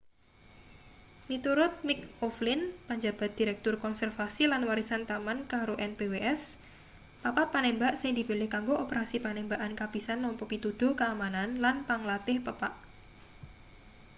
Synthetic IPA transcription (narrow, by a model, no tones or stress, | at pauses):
mit̪uɾʊt̪̚mɪk̚ɔflɪnpaɲd͡ʒa̤b̥a̤t̪̚d̪̥i̤ɾɛk̚t̪ʊrkɔnsɛrfasilanwaɾisant̪amankaɾoʔɛnpeweʔɛs | papat̪̚panembaʔsɪŋd̪ipilɪhkaŋɡoʔopəɾasipanembaʔankab̥isanːɔmpɔpit̪ud̪̥o̤kaːmananlanpaŋlat̪ɪhpəpaʔ